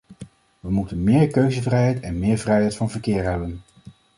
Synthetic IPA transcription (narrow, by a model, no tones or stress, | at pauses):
ʋəmutənmɪːɹkøɥzəvrɛjɦɛjtɛnmɪːɹvrɛjɦɛjtfɑnvəɹkɪːɹɦɛbən